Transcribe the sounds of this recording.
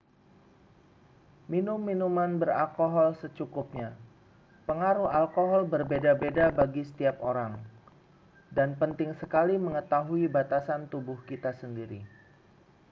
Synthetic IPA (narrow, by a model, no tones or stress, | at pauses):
minʊmːinumanbəra̰lkoɦɔlsət͡ʃukʊp̚ɲa | pəŋaɾuhalkoɦɔlbərbedabedabaɡisə̥t̪iap̚oɾaŋ | danpənt̪ɪŋsəkaliməŋət̪aɦuibat̪asant̪ubʊhkit̪asəndiɾi